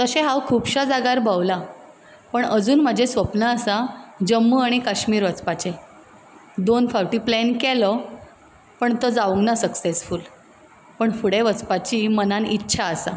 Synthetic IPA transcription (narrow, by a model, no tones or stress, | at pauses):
t̪əɕẽɦawkʰuːpɕad͡zaɡaɾbʱawla | pəɳəd͡zuːnm̤əd͡ʑʱesʋəpnəːsad͡ʑəmːəaɽ̃ikəɕmiːɾʋət͡spat͡ɕe | d̪onfaʋʈiːplɛnkɛlɔ | pəɳt̪əd͡zaʋuŋɡnasəksesfuːl | pəɳfuɽeʋət͡spat͡ɕiːmənanitːɕʰaəsa̰